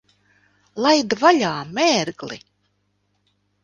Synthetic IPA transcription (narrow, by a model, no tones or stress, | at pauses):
lˠajd̪vaʎʲaːmeːɾɡlḭ